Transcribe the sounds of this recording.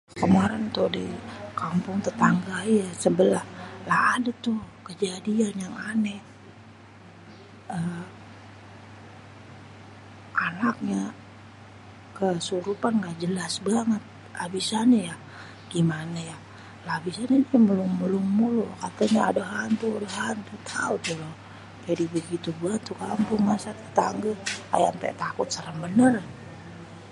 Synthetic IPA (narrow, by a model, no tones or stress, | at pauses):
kəmaɾɛnt̪udikampʊŋt̪ət̪aŋɡajasəbəlahlahadat̪ukəd͡ʒadianjaŋane | ə | ʔanak̚ɲa | kəsuɾupanɡaʔd͡ʒəlasbaŋət̪̚ | labisaɲaja | ɡ̥imanaja | labisaɲadiməluŋməluŋmulukat̪aɲaa̰daɦant̪uadaɦant̪ut̪ʰaut̪ulo | d͡ʒadibəɡit̪ubat̪ukampʊŋmasat̪ə̥t̪aŋɡəa̰ja̰mpɛ̰t̪akʊt̪̚səɾəŋbənər